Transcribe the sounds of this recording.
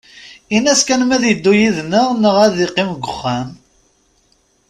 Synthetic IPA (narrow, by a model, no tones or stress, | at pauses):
inæskænmæðjəd̪ːujiðnəʁnəʁæðiqːɪmɡʷəχːæm